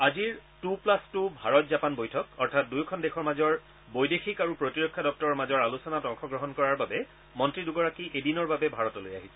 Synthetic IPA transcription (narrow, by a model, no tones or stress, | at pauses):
aziɹtuplastubʱaɹɔtzapanbojtʰɔkɔɹtʰat̚dujkʰɔndexʰɔɹmazɔɹ | bojdexikaɹupɹotiɹɔkʰːadɔk̚tɔɹɔɹmazɔɹalusɔnatɔŋxɔɡɹɔɦɔnkɔɹaɹbabɛ | mɔntɹiduɡɔɹakiʔedinɔɹbabɛbʱaɹɔtɔloja̰ɦisɛ̥